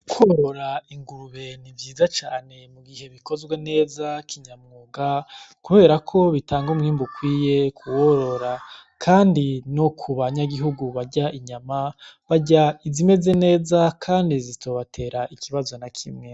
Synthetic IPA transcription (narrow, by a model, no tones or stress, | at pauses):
kʰwoɾo̞ɾaiŋɡuɾuβe̞nivjiːzat͡ʃaːne̞muɡihe̞βiko̞zɡwe̞ne̞ːzakʰiɲamŋuːɡakuβe̞ːɾakʰo̞βitʰaːŋɡumŋiːmbukwiːje̞kʰuwo̞ɾo̞ɾakʰaːndinokʰuβaɲaɡiɦuɡuβaɟaiɲamaβaɟaizime̞ze̞ne̞ːzakʰaːndizitoβatʰe̞ːɾaʔikiβazo̞nakʰimŋe